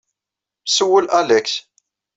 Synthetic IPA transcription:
msəwːəlælæks

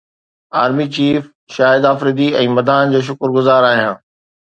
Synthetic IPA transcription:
aːɾmit͡ɕiːf | ʃaːɦɪd̪aːfɾɪd̪iɛ̃ːmɐd̪aːnd͡ʑoːʃ̬ʊkɾɡʊzaːɾaːɦijãː

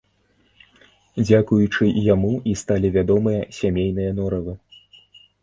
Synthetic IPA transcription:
d͡zʲakujut͡ʂɨjamuist̪alʲivʲad̪ɔmɨjɐsʲamʲejnɨjɐnɔɾɐvɨ

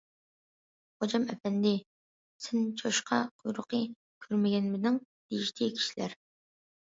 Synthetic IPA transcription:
χod͡ʒɑmɛfɛnd̪ɪ | sʰɪnt͡ʃʰoʃqʰɑqʰʊjɾʊqə | kʲʰøɾmɪɡʲɛnmɪd̪ɪŋ | d̪iʃt̪ʰikʲʰi̥ʃi̥læ̰ɾ

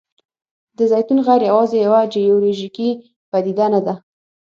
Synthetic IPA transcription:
d̪əzajt̪unɣajɾjawɑzejawad͡ʒejoloʒiki | pad̪id̪anad̪a

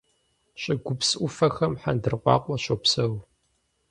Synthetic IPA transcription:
ɕʼɪɡʷʊpsʔʷʊfɐxɐmħa̰ndɨrqʷɑ̰ːqʷɔɕʼopsɐw

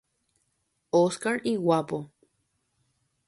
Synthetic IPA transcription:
oskaɾiwapo

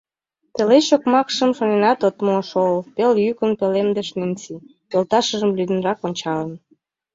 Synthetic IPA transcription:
t̪elet͡ɕokmɑkʃəmʃonenɑt̪ot̪moʃolpeljykənpelemd̪əʃnent͡sipolt̪ɑʃəʒəmlyd̪ə̆nɾɑkonʲt͡ɕɑlən

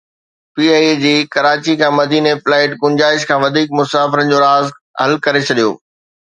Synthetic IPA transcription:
piːaːd͡ʑiːkɐɾaːt͡ɕikʰãːmɐd̪iːneflaːɪʈɡʊ̃ɲd͡ʑaːɪʃkʰãːʋɐd̪ʱiːk̚mʊsaːfɪɾənd͡ʑoːɾaːz | ɦɐlkɐɾet͡ɕʰɐɗijo̰ː

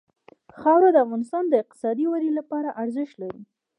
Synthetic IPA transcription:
xɑwɾad̪əafɣɑnɪst̪ɑnd̪əɪq̚t̪ɪ̥sɑd̪iwaɾilapɑɾaʔaɾzəʃt̪laɾi

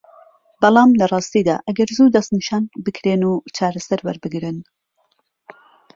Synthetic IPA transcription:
bɑlˠɑːmlɐrˤɑːst̪iːd̪a̰ːʔɐɡɐɾzuːd̪ɐst̪niːʃaːnbɨkʰɾeːnuːt͡ʃʰaːɾɐsɐɾwɐɾbɨɡɾɨn

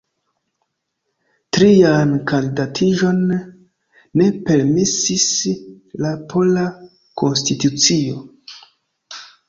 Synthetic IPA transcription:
tɾiankandidatʰiʒo̞n | e̞pe̞ɾmisis | lapʰo̞la | ko̞nstitut͡sio̞

